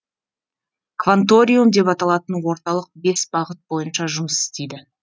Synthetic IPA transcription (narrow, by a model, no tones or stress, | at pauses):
kvant̪o̞ɾʲijumd̪e̞pɑt̪ɑlˠɑt̪ənwo̞ɾt̪ɑlˠəq̚be̞sbɑʁət̪̚bo̞jənʃɑʒʊməsɪ̥st̪e̞jd̪ɪ